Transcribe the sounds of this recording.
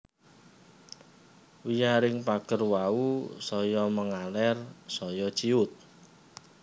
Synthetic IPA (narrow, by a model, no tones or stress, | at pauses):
wijaɾɪŋpaɡ̥ərwausɔjɔməŋalɛrsɔjɔ̥t͡ʃiʊt̪̚